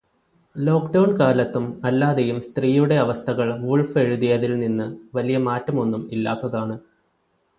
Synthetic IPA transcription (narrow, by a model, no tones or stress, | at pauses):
lo̞ːkɖɐwɳkaːlɐt̪ːumɐlːaːðejumst̪riːjuɽe̞ɐʋɐst̪ʰɐɣɐɭʋuɭfe̞ɻuðijɐðilninːɨʋɐlijɐmaːtːɐmo̞nːumilːa̰ːt̪ːɐðaːɳɨ